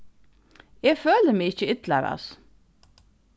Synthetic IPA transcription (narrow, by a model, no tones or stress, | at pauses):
jeːɡføːləmɛɪçəʏt̪lɑɾɑ̰s